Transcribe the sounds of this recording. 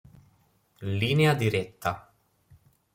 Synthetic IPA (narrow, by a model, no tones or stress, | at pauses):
liːnead̪iɾɛt̪ːa